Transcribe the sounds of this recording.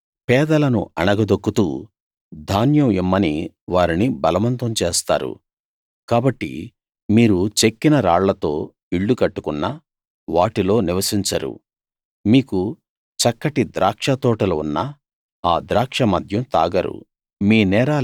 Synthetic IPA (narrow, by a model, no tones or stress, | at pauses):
pɛːd̪ɐlɐnṵɐɳɐɡɐd̪okːut̪ṵː | d̪ʱaːnjɐmimːɐni | ʋaːɾinibɐlɐʋɐnt̪ɐmt͡ʃeːst̪a̰ːɾṵ | kaːbɐʈːḭ | miːɾut͡ʃekːinɐɾaːɭlɐt̪o̞̰ː | iɭːukɐʈːukunːɐ | ʋaːʈilo̞ːniʋɐsiɲt͡ʃɐɾṵ | miːku | t͡ʃɐkːɐʈid̪ɾʔaːkʂɐt̪ɔːʈɐlɐunːɐ | aːd̪ɾaːkʂɐmɐd̪ʱjɐmt̪a̰ːɡɐɾṵ | miːnɛːɾaː